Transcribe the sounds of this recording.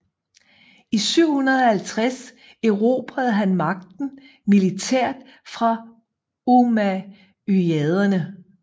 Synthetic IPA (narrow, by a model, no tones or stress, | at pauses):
isyʊ̰hunɐð̞ˠɒ̽hælt͡sʰʁas | eʊʁo̝b̥ʁæðˠɦænmɑ̈ɡ̥̚d̥n̩ | milit͡sʰeɐ̰d̥fʁɑ̈ | omæ | yɛð̞ˠɐnə